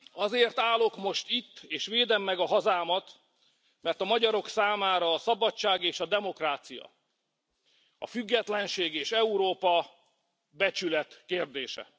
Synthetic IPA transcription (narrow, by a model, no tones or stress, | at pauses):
ɒzeːrt̪aːlo̞kmo̞ʃt̪it̪ːeːʃʋeːd̪ɛmːɛɡɒɦɒzaːmɒt̪ | mɛrt̪ɒmɒɟɒɾo̞ksaːmaːɾɒːsɒbɒt͡ʃːaːɡeːʃɒd̪ɛmo̞kraːt̪sijɒ̰ | ɒ̰fyɡːɛt̪lɛnʃeːɡeːʃɛuɾoːpɒ | bɛt͡ʃylɛt̪keːrd̪eːʃɛ̰